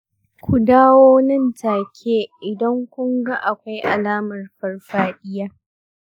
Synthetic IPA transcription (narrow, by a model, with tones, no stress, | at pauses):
kʷu˨daː˦woː˦nɐ˦˨ntʰaː˨kʲʰeː˦ʔɪ˨dɐ˦ŋkʷʊ˦ŋɡa˦ʔa˨kʷa˦jʔa˨laː˦mɐ˨rɸɐ˨rɸaː˦ɗɪ˦jaː˦